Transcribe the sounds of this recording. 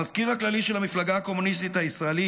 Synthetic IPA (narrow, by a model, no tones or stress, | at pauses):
azkiʁhaklaliʃelhamiflaɡaːko̞munis̬t̪it̪haisʁaeli